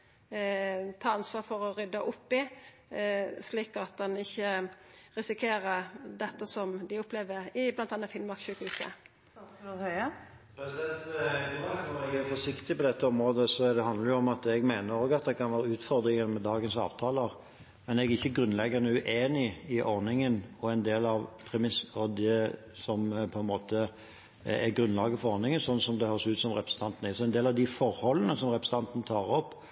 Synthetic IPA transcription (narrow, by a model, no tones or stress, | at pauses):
t̪ʰɑːɑnsʋɑːɾfɔɾɔɾʏd̪ːɑʔʊpːɪ | sliːkɑt̪̚d̪ɛnɪçːəʁɪsɪkʰeːɾəɾd̪ɛt̪ːəsɔmd̪ɪʊpʰːleːʋəɾɪblɑnt̪ɑːnɑfɪnmɑkʃʉːkhʉsə̰ | hœʏə | pʰɾɛsɪd̪ɛnt̪ɡɑnɔɾɛɡæɾfɔʂɪkt̪ɪpɔd̪ɛt̪ːəɔmɾoːd̪əsɔɛd̪ɛɦɑnd̪ləɾjʊɔmɑt̪ɛɡmeɪnəɾoːɡɑt̪̚d̪ɛɪkʰɑnʋæːɾəʉːt̪fɔɾd̪ɾɪŋənmɛd̪ɑːɡənsɑ̰ːʋt̪ʰɑːləʁ | mɛnɛɡæɪçːəɡɾʉnlɛɡːɑnəʉʔeːnɪɪʔɔɾnɪŋənɔænd̪eːlɑʋpʰɾɛmɪsɔd̪ɛ | sɔmpʰɔɛnmoːt̪ə | ɛɡɾʉnlɑːɡəfɔʁɔɾnɪŋənsɔnːsɔmd̪ɛhøːɾsʉːt̪sɔmʁɛpɾəsə̥t̪ɑnt̪ən̩ɪsɔɛɪnd̪eːlɑʋd̪ɪfɔɾhɔlənəsɔmɾɛpɾsə̥t̪ɑnt̪nət̪ʰɑːɾɔpː